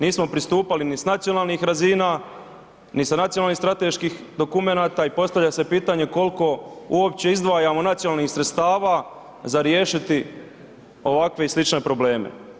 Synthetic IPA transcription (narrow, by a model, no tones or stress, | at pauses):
niːsmo̞pɾist̪uːpalinisnat̪sionaːlnixɾaziːna | nisanat̪sjonalnisɾat̪e̞ʃkiːx | d̪o̞kume̞naːt̪aipo̞st̪aʋlʎase̞piːt̪aɲe̞ko̞lko̞uop̚t͡ɕe̞izd̪ʋaːjamo̞nat̪sjonalnixsɾet̪st̪aːʋa | zaɾje̞ːʃit̪i | o̞ʋakʋe̞islit͡ʃne̞pɾo̞ble̞ːmḛ